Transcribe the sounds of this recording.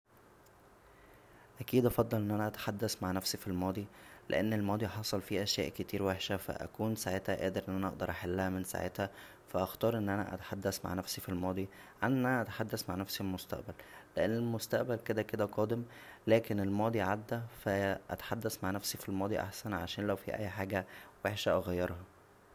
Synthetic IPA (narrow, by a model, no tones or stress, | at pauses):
ʔækiːd̪ʔɑfɑd̪ˤːɑlʔenːʔænæʔæt̪ḁħad̪ːæsmaʕnæfsifilmɑːd̪ˤilʔḛʔenːelmɑːd̪ˤiħɑsˤɑlfiʔæʃjæ̰ːʔket̪iːɾweħʃæfæ̰ʔæ̰kuːnsaʕet̪hæʔæːd̪eɾʔenːʔænæʔɑ̰ʔ̚d̪ɑɾˤʔaħalːæhæmensa̰ʕet̪hæ | fæʔɑxt̪ɑːɾˤʔenːʔænæ̰ʔæ̰t̪ḁħad̪ːæsma̰ʕnæfsifilmɑːd̪ˤi | ʕanʔenːʔænæʔæt̪ḁħad̪ːæsmaʕnæfsilmost̪æ̰ʔbælːeʔenːelmost̪æʔbælked̪æked̪æqɑːd̪em | læːkenelmɑːd̪ˤiʕad̪ːæfæʔæ̰t̪ḁħad̪ːæsmaʕnæfsifilmɑːd̪ˤiʔa̰ħsænʕa̰ʃæːnlæwfḭʔæ̰jːħaːɡæweħʃæʔɑɣæjːɑɾˤhɑ